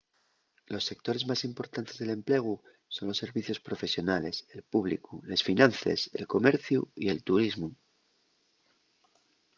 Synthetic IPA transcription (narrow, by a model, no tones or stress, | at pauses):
lo̞sːe̞k̚t̪o̞ɾe̞zmasimpo̞ɾt̪ant̪e̞zðe̞lẽ̞mple̞ɣ̞u | so̞nlo̞sːe̞ɾβiθjo̞spɾo̞fe̞sjo̞nale̞se̞lpuβlḭkulesfinãnθḛse̞̰lko̞me̞ɾθjṵḭe̞lt̪uɾizmu